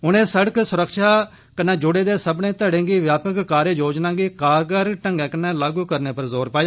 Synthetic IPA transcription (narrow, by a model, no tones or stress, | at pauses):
ʊnẽːsəɽəksʊɾəkʃaː | kənãːd͡ʒʊɽeːd̪eːsəbnẽːt̪əɽẽːɡiːʋjaːpəkkaːɾeːjoːd͡ʒnãːɡiːkaːɾɡəɾʈəŋɡɛ̃ːkənɛ̃ːlaːɡuːkəɾneːpəɾzoːɾpaːjaː